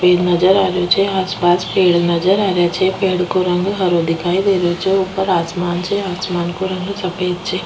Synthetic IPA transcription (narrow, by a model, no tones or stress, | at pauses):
peːɖnɐd͡ʒəɾaːɾjot͡ʃʰeaːspaːspeːɽnɐd͡ʒəɾaːɾjat͡ʃʰɛpeːɽkoɾɐ̃ŋɡɦɐɾod̪ɪkʰaːid̪eːɾjot͡ʃʰeuːpəɾaːsmaːnt͡ʃʰeaːsmaːnkoɾɐ̃ŋɡsɐpeːd̪̚t͡ʃʰeː